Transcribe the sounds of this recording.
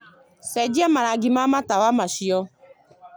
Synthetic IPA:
sɛd͡ʒiamaɾaɡimamatawamaʃiɔ

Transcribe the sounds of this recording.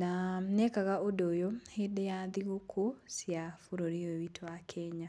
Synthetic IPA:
nanekaɣaodojohedejaðiɣokʰosjafuɾoɾiowitʰwakʰɛɲa

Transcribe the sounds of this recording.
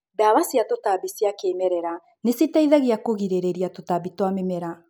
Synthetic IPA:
daβasiatotaβisiakeːmɛɾɛɾa | nesitaiðaɣiakoɣiɾeɾeɾiatotaβitwamemɛɾa

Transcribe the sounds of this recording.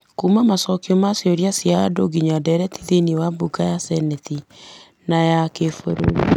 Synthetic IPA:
kumamasɔkiɔmasjɔɾjasjaadoɡiɲadɛɾɛtiðeniwabukajasɛnɛti | najakefoɾo̰ɾu

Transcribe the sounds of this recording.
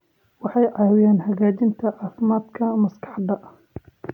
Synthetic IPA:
wɑħɑjʕɑːwɪjaːnhɐɣaːt͡ʃɪnt̪ʰɐʔɑːfmaːd̪kʰɐmɐskɑ̥ħd̪ɐʔ

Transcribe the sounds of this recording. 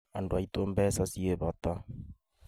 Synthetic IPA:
andoait̪ombɛsasieβata

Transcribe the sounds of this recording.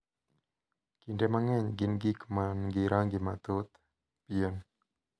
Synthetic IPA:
kindɛmaŋɛɲɡinɡikəmanɡiɾaŋɡimat̪ut̪ | piən

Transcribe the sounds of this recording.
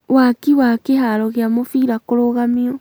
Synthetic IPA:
wakiwakehaɾɔɣeamofiɾakoɾoɣamiɔ

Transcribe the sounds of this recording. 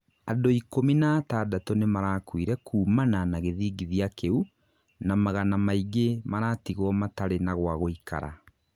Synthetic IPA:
adoikominaːtaːdatonemaɾaːkwiɾɛkʰuːmananaɣeðiːɡiðiakʰeu | namaɣanamaiɡemaɾaːtiɣwɔmataɾenaɣwaɣoikʰa̰ɾa̰

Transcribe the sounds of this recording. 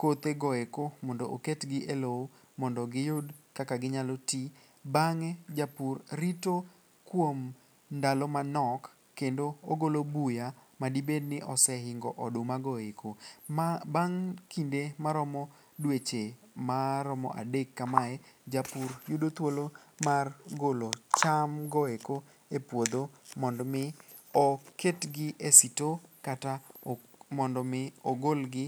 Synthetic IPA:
kot̪eɡɔekomɔndoʔoketɡɪʔelo | mɔndɔɡɪjodkakaɡɪɲaloti | baŋɛd͡ʒapurɾito | kwom | ndalɔmanɔkː | endooɡolobuja | madibednɪʔɔsɛɦɪŋɡɔʔɔdomaɡɔekʰo | baŋkindemaɾɔmɔ | dwet͡ʃemaɾɔmɔ̰ʔa̰dekːamaɛd͡ʒapuɾjudot̪wolomarɡolot͡ʃamɡɔeko | epwod̪omɔndɔmɪ | ɔketɡɪʔesitokata | mɔndɔmɪoɡolɡɪ

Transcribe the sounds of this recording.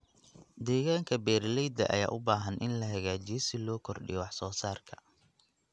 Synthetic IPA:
d̪ɛːɣaːŋkʰɐbɛːrlɛjd̪ɐ̰ʔɐ̰ja̰ːʔʊbaːɦɐnʔɪnlɐɦɐɣaːt͡ʃɪjɔsɪlɔːkʰɔrɖɪ̰jɔwɑħsɔːsaːrkʰɐ̥

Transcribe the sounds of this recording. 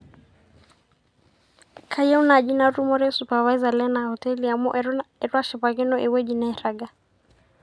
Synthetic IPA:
kʰajɛunad͡ʒinaɾumɔɾɛsupavaizalɛnahɔtɛliamɔʔɛɾnaɛɾwaʃɛpaɣɛnɔʔɛwɛd͡ʒinaɛɾaɡa

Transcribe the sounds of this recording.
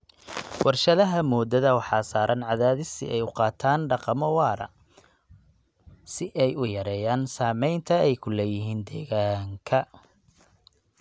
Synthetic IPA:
wʔɑrʃɐðɐɦɐmɔːd̪ɐðɐwɑħɑːsaːɾʔɐnʕɑðaːðɪsɪ̰ʔɛjʊqɑːt̪ʰaːnɖɑqɑmɔwɑːɾɐ̰ | sɪʔɛjʊjɐɾɛːjaːnsaːmɛjnt̪ʰɐɛjkʰʊlɛːjɪɦiːnd̪ɛːɣaːŋkʰɐ

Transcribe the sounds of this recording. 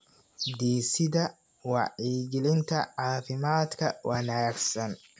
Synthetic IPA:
d̪iːsɪd̪ɐ | wɑ̰ʔiːɡɪlɪnt̪ʰɐʕaːfɪmaːd̪kʰɐwʔaːnɐjɐɡsɐn

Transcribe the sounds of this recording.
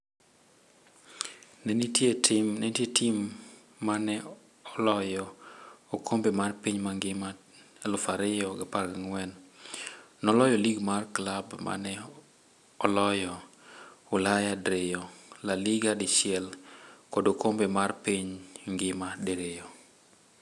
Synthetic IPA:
nɛnitjetʰɪmnɛtjetimː | anɛ | ɔlɔjɔokʰombemarpiɲmaŋɡɪma | lʊfaɾɪjɔɡapaɾɡaŋwɛn | nɔlɔjɔliɡmarklabma̰nɛ | ɔlɔjɔ | ʊlajadɾejɔlaliɡadɪʃjɛlkodokombemarpiɲŋɡɪmadeɾejo

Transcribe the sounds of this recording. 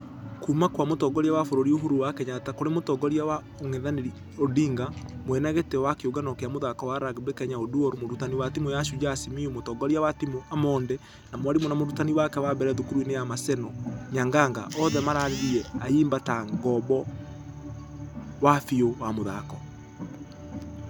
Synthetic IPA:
kumakwamotɔɡɔɾiawafoɾoɾioɦoɾuwakɛɲatakoɾemotɔɡɔɾiawa | oŋɛðaneɾi | odiŋɡamoɛnaɣetɛɔwakeoɡanɔkeamoðakɔwaɾaɣebekɛɲaoduɔɾomoɾutaniwatimojaʃud͡ʒasimiomotɔɡɔɾiawatimoamɔːndɛ | namwaɾimɔnamoɾutaniwakɛwabɛɾɛðokuɾuinejamasɛnɔɲaŋɡaŋɡa̰ʔɔðɛmaɾaːɾeðiɛaiːmbataŋɡɔbɔ | wafiowamoða̰kɔ

